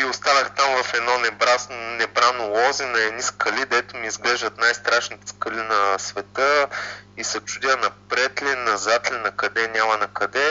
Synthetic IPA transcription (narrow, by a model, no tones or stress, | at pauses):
iʊst̪anəxt̪amvɐfɛd̪nɔnɛbɾasnnɛbɾanolˠɔzinɐɛd̪niskʰɐlid̪ɛt̪ʊmiːzɡlɛʒd̪ɐt̪najst̪ɾaʃnit̪ɛ̥skɐlinɐsvɛt̪əisɐt͡ʃud̪ʲanɐpɾɛt̪lʲɛnɐzat̪lʲinɐkɐd̪ɛnʲamɐnɐkɐd̪ɛ